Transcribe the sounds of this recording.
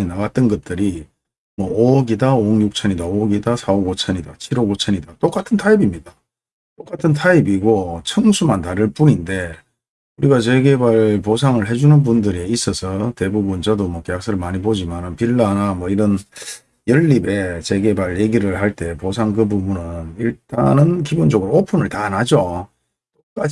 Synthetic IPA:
inaɡat̚t͈ɯnɡʌt̚t͈ɯɾi | mwʌoɡidaoŋjuk̚t͡ɕʰʌnidaoɡidasʰaoɡot͡ɕʰʌɲidat͡ɕʰiɾoɡot͡ɕʰʌɲidat͈ok͈atʰɯntʰaibimɲida | t͈ok͈atʰɯntʰaibiɡot͡ɕʰʌŋsʰumantaɾɯɭp͈uninde̞ | uɾiɡat͡ɕe̞ɡe̞baɭposʰaŋɯɭɦe̞d͡ʑunɯnpundɯɾiis͈ʌsʰʌte̞bubunt͡ɕʌdomʌkeak̚s͈ɯɾɯɭmaɲibod͡ʑimanɯnpiɭːanamwʌiɾʌn | jʌɭːibe̞t͡ɕe̞ɡe̞baɭje̞ɡiɾɯɭhaɭt͈e̞pos̬ʰaŋkɯbubunɯniɭt͈a̰nɯnkibond͡ʑʌɡɯɾoopʰunɯɭtaːnad͡ʑo | t͈ok͈a

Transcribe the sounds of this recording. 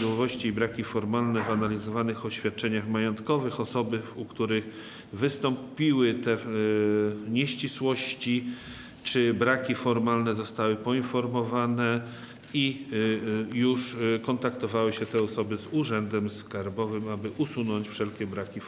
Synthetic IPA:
wɔvɔɕt͡ɕiːbɾakʲifɔɾmalnɛvanalʲizɔvanɘxɔɕfʲjat̪̚t͡ʂɛɲaxmajɔnt̪kɔvɘxɔsɔbɘukt̪uɾɘx | vɘst̪ɔmpʲiwɘt̪ɛ | ɲɛɕt͡ɕiswɔɕt͡ɕi | t͡ʂɘbɾakʲifɔɾmalnɛzɔst̪awɘpɔinfɔɾmɔvanɛ | i | juʂkɔnt̪akt̪ɔvawɘɕɛt̪ɛɔsɔbɘzuʐɛnd̪ɛmskaɾbɔvɘmabɘʔusunɔɲt͡ɕfʂɛlkʲɛbɾakʲi

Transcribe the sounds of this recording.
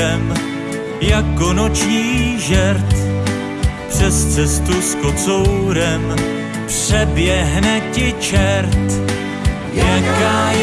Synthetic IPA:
ɛm | jakːonot͡ʃɲiːʒɛɾt̪ | pr̥ɛst͡sɛst̪uskot͡sowɾɛm | pr̥ɛbjɛɦnɛcɪt͡ʃɛɾt̪ | jjakaːj

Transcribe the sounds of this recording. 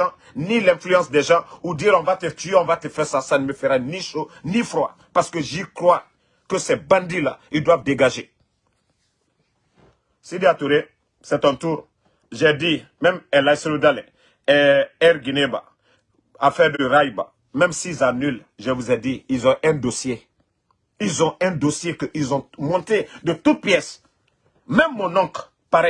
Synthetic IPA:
ã | nilɛ̃flyɑ̃sd̪ɛʒɑ̃udiɾɔ̃vat̪ət̪yeɔ̃vat̪əfɛɾsasanəməfeɾɛniʃonifɾwa̰ | paɾsə̥kəʒikɾwa | kəsɛbãndila̰ildwavdeɡaʒe | sideat̪uɾe | sɛt̪ɔ̃t̪uːɾ | ʒɛdi | mɛ̃mɛlajselodalɛ̰̃ | ɛɛɾɡineba̰ | afɛɾdəɾajba̰ | mɛ̃msizanyl | ʒəvuzɛd̪iilzɔ̃ʔɛ̃d̪osje | ilzɔ̃ɛ̃d̪osjekəʔilzɔ̃mɔ̃nt̪ed̪ət̪ut̪̚pjɛs | mɛ̃mːɔ̃nɔ̃k | paɾɛ

